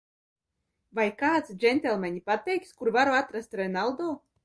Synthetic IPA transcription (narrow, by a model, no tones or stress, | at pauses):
vajkaːt̪sd͡ʒɛnʲt̪ʲɛlˠmanʲipat̪ɛjkskuɾvaɾoat̪ɾast̪ɾenalˠd̪o